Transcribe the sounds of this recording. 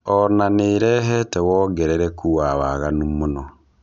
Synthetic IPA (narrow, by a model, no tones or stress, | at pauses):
ɔnaneɾɛɦɛtɛwɔːɡɛɾɛɾɛkʰuwawaɣanumonɔ